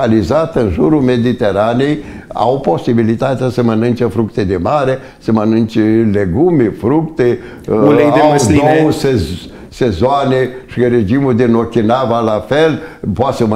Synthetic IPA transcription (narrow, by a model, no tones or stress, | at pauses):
alizat̪əɨnʒuɾume̞d̪it̪eɾanej | a̰wpo̞sibilit̪at̪easəmənɨnt͡ʃəfɾukt̪ed̪emaɾe | səmənɨnt͡ʃeleɡumefɾukt̪e | leeaədd̪oewwse | sezoaneʃiɾed͡ʒimud̪inokʲinavalafelpoat̪səmə